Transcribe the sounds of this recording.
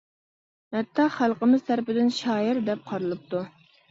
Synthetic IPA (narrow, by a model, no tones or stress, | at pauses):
hæt̪ʰːɑχælˠqəmɪzt̪ʰæɾpɪd̪ɪnʃɑːjɪɾd̪ɛp̚qʰɑɾɨlˠɨp̚t̪ʰu